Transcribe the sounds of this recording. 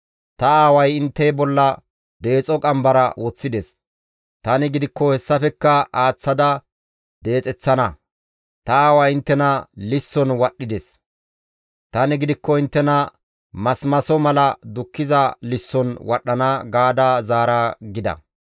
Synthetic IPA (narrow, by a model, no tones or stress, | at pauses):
t̪ɐaːwɐjɪnt̪ːɛjbɔlːɐ | d̪e̞ːt͡sʼɔkʼɐmbɐɾɐ̰wɔt͡sːɪd̪ɛs | t̪ɐnɪɡɪd̪ɪkːɔhɛsːɐfɛkːɐaːt͡sːɐd̪ɐ | d̪̥e̞ːt͡sʼɛt͡sːɐnɐ | t̪ɐaːwɐjɪnt̪ːɛnɐlɪsːɔnwɐɗːɪd̪ɛs | t̪ɐnɪɡɪd̪ɪkːɔɪnt̪ːɛnɐ | mɐsmɐsɔmɐlɐd̪ʊkːɪzɐlɪsːɔnwɐɗːɐnɐɡaːd̪aːzaːɾaɡɪd̪ɐ̰